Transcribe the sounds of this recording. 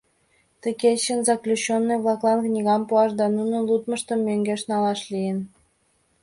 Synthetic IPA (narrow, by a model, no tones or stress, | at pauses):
t̪əket͡ɕənzɑklʲut͡ɕːonːɤjβlˠɑklˠɑnknʲiɣɑmpuɑʃd̪ɑnunə̆nlˠut̪məʃt̪əmːøŋɡʲeʃnɑlɑʃlʲijən